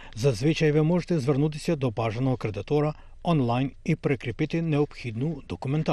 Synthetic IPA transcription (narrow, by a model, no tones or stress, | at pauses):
zazʋit͡ʃajʋɛmoːʒɛt̪ɛzʋəɾnut̪̬isɛd̪ɔpaʒanɔkɾɛd̪it̪oːɾa | ɔnlajnipɾɛkɾipit̪inɛɔpxid̪nud̪ɔkumɛnt̪a